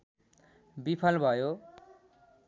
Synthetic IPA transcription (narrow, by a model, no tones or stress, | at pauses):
bipʰalbʱʌjo